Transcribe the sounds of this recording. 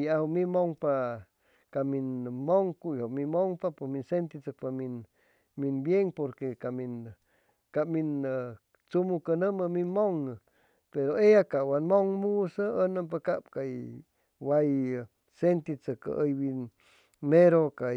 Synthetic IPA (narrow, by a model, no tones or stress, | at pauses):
jahomĩmoŋpa | kaminmoŋkujhomimoŋpapeminsent̪it͡sək̚pamin | minbjeŋpoɾkekamin | kamin | t͡sumukənəməminmoŋ | peɾoejakaʔwanmoŋmusəənəmp̬akapkaj | waj | sent̪it͡səkə̰ʔəjbin | meɾoka